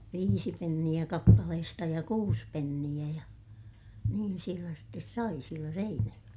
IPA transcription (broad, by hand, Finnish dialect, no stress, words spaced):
ʋiːsi penːij̆æ kɑpːɑlehestɑ jɑ kuːs penːij̆æ jɑ niːn sielæ stes sɑi sielæ seinæjoj̆elːɑ